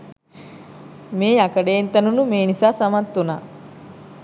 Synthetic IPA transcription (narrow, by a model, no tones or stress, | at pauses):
meːakɐɖeːnt̪ɐnunumeːnisaːsamat̪ːunaː